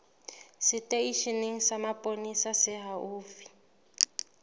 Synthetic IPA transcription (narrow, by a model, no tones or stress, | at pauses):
sɪtʼeiʃineŋ̩samapʼonisasɪɦaʔuːfi̥